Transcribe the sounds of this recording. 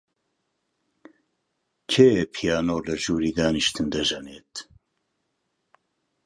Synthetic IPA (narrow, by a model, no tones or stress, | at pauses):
kʰeːpʰijaːnoːlɐʒuːɾiːd̪aːniʃt̪ɨnd̪ɐʒɐneːt̪